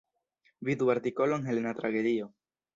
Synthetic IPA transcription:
βid̪waɾt̪ikoloeŋɦelenat̪ɾaɣeðio

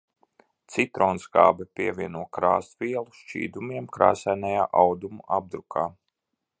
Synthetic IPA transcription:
t̪sit̪ɾoːnsɡaːbɛpʲiɛvʲiɛnuɔkɾa̰ːst̪vʲiɛlˠuʃt͡ʃḭːd̪umiɛmkɾa̰ːsajnajaːʔawd̪umuʔab̚d̪ɾukʰaː

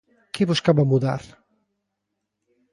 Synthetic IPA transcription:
keβoskaβamuða̰ɾ

